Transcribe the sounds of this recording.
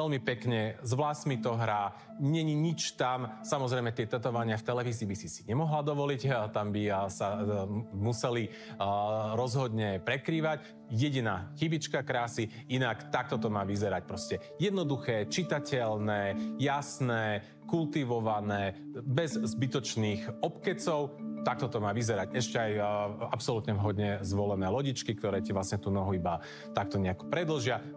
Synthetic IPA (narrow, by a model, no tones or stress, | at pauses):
ɛlmipɛkɲɛzʋlasmit̪ɔɦɾa | ɲɛɲiɲit͡ʃt̪amsamɔzɾɛɪmɛt̪ɪɛt̪ɛt̪ɔʋaɲɪaft̪ɛlɛʋiːziːbisisiɲɛmɔɦlad̪ɔʋɔlict̪ambisa | musɛli | ɾɔzɦɔd̪ɲɛpɾɛkɾiːʋac | jɛɟinaːxibit͡ʃkakɾaːsi | inakt̪ak̚t̪ɔt̪ɔmaːʋizɛɾac̚pɾɔscɛ | jɛd̪nɔd̪uxɛːt͡ʃit̪acɛlnɛːjasnɛː | kult̪iʋɔʋanɛːbɛzzbit̪ɔt͡ʃniːxɔpkɛt͡sɔʊt̪ak̚t̪ɔt̪ɔmaːʋizɛɾacɛʃcɛajapsɔlut̪ɲɛvɦɔd̪ɲɛzʋɔlɛnɛːlɔɟit͡ʃkik̚t̪ɔɾɛːciʋlasɲɛt̪uːnɔɦuiba | t̪ak̚t̪ɔɲɛakɔ̥pɾɛd̪l̩ʒɪa